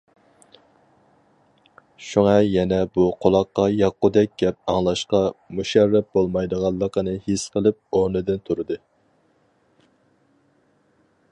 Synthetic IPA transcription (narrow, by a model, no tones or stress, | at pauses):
ʃuŋɑjɛnɛbuqʰolˠɑqːɑjɑqːʊd̪ɛk̚ʲɡʲɛp̚ɑŋlˠɑʃqɑmuʃɛɾːɛp̪̚bolˠmɑjd̪əʁɑlˠːəqənɨhesqʰəlˠɨp̚oɾnɨd̪ɨnt̪ʰuɾɨd̪ɨ